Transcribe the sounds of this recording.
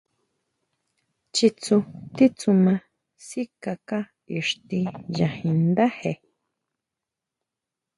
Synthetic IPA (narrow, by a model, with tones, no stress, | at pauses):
t͡ʃi˧t͡sũ˧t̪i˦t͡sũ˧mã˧ | si˦ka˧ka˦ | i˨ʂt̪i˧jã˨hĩ˧nd̪a˦he˨